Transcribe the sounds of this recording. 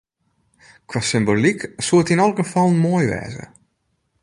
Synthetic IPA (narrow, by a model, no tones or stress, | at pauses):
kwasɪmboliksuətinɔlˠɣəfɔlˠmoːjʋɛ̰ːzə̰